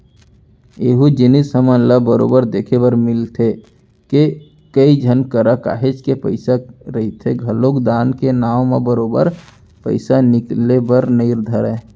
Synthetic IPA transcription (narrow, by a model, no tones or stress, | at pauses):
eːɦud͡ʒɪnisəmə̃nləbəɾo̰ːbəɾd̪eːkʰebəɾmɪlt̪ʰe | ke | kəid͡ʒʱənkəɾəka̰ːɦet͡ʃkepəɪsaɾəɦit̪ʰeɡʱəlokd̪aːnkenaːʋmebəɾoːbə̰ɾ | pə̰ɪsanɪklebəɾnəɪɾd̪ʱəɾɛ